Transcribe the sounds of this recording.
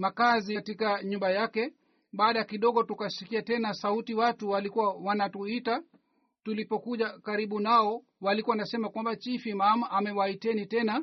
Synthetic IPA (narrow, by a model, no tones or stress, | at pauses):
makazitikaɲumbajakɛ | ɓaːɗakiɗɔɠɔtukasikiatɛnasautiwatuwalikuwawanatuita | tulipɔkuʄakaɾiɓunaɔ | walikuwaanasɛmakwambat͡ʃifimamamɛwaitɛnitɛna